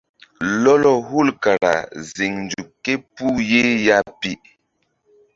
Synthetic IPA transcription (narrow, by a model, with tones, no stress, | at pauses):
lɔ˦lɔ˨ɦu˦˨lka˨ɾa̰˨zi˨ŋnd͡ʒuː˨e˦pu˦je˦ja˦pi˨ʔ